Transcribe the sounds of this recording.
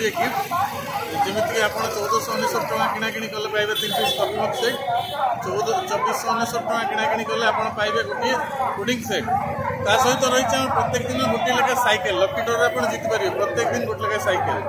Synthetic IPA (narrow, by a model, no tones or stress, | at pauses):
ieki | d͡ʒimit̪ikeapɔɽ̃t͡ʃɔwd̪ɔsɔnisɔɾ̚ʈɔɽ̃ãkiɽ̃akiɽ̃ikɔlepajbet̪insʰist̪ʰɔpmɔkset͡ʃɔwd̪t͡ʃɔbisɔnisɔɾʈɔɽ̃ãkiɽ̃akiɽ̃ikɔleapɔɽ̃pajbeɡoʈiekuɽiŋkse | t̪asɔɦit̪ɔɾɔɦit͡ʃʰãpɾɔt̪jekɔd̪ineɡoʈilɔkasajkelːɔkiʈoɾapɔɽ̃d͡ʒit̪ipaɾibepɾɔt̪jekd̪inɡoʈilɔkasajkel